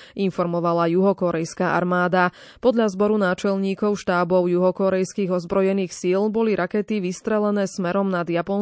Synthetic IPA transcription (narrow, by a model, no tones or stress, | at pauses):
ʔinfɔɾmɔʋalajuɦɔkɔɾɛjskaːʔa̰ɾmaːd̪a | pɔd̪ʎazbɔɾunaːt͡ʃɛlɲiːkɔʊʃt̪aːbɔʊjuɦɔkɔɾɛjskiːɣɔzbɾɔjɛniːxsilbɔliɾʔakɛt̪iʋist̪ɾɛlɛnɛːsmɛɾɔmnad̪japɔn